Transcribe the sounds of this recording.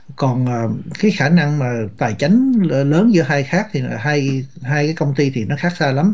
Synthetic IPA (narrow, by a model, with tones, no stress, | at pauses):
kɔ˨˩nʔəː˨˩kaː˨˦jxaː˧˩na˧ŋmaː˨˩t̪aː˨˩jt͡ɕa˨˦jŋ̟˨˩ləː˨˦nzɨ˨˧˥əɦaː˧jxaː˦˥k̚t̪ʰi˨˩˨ɦaː˧jɦaː˧jkaː˨˦jkə˧wŋ͡mt̪i˧t̪ʰi˨˩nɔ˨˦xaː˦˥k̚saː˧la˨˦m